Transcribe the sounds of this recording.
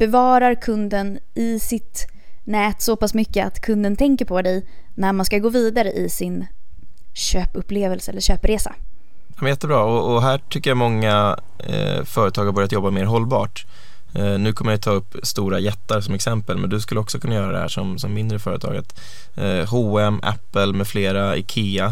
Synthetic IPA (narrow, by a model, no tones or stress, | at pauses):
b̥ɛvɑːɾaɾkʰɵnd̪ənʔɪsɪt̪ | nɛːt̪sɔpasmʏkːəa̰t̪kʰɵnd̪ənt̪ʰɛŋkəɾpʰɔd̪ɛjnæɾmanskaɡoːviːd̪aɾəʔɪsɪn | ɕøːpɵpleːvəlsəɛlːəʂøːpɾeːsa̰ | amɛnjɛt̪ːəbɾɑːɔːɦæːʈʰʏkːəɾjamɔŋːa | fœːɾət̪ʰɑːɡhabœɾjat̪jɔbːameːɾɦɔlːbɑːʈ | nʉ̟ːkʰɔmːəɾat̪ʰɑːɵpːst̪uːɾajɛt̪ːaɾsɔmɛksɛmpəlmɛ̰nd̪ɵskɵlːəɔksɔkʰɵnːajœːɾad̪ɛ̰hæ̰ːʂɔmsɔmːɪnd̪ɾəfœːɾət̪ʰɑ̰ːɡə̰t̪ | ɦuːɛmʔɛ̰pːəlmɛfleːɾaɪ̰kʰiːa